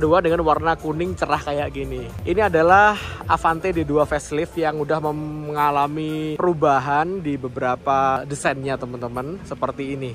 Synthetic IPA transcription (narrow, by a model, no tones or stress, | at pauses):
duadəŋanwarnakunɪŋt͡ʃəɾahkajaʔkiniʔiniadalahʔafant̪ediduafɛslɪfjaŋudahməməŋalamipəɾubaɦandibəbəɾapadisanɲat̪əmənt̪əmənsəpərt̪iːni